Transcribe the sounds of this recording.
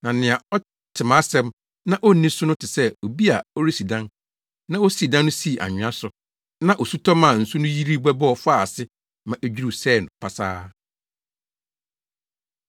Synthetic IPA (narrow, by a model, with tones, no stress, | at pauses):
nã˨nɪ̃˨a˨ɔ˦ | tʰɪ˨mã˨˦sɛ̃˦m | nã˦ʔɔ˦˨nĩ˦sʊ˦nʊ̃˦tʰɪ˨sɛ˦o˨bi˦a˨ɔ˦ɾi˦si˨dã˦n | nã˦o˦si˨dã˦nː˦ʊ̃˦si˦˨ʔa̰˨ɲᶣɪ̃˨˦a˦sʊ˨ | nã˦ʔo˨su˦tʰɔ˦mã˨n̩˨su˦nʊ̃˦ji˦ɾi˦bɛ˦bɔ˦ɔ˨fa˦˨sɪ˦ | mã˨ʔæ˦d͡ʑᶣi˦ɾu˦˨sɛː˦˨nʊ̃˨pʰa˨saː˦